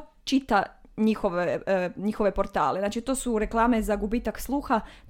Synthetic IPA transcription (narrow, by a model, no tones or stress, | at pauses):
t͡ʃit̪aɲixoʋeɲixo̞ʋe̞po̞ɾt̪a̰ːleznaːt͡ʃit̪oːsuɾe̞klˠaːme̞zaɡubiːt̪akslˠuːxat̪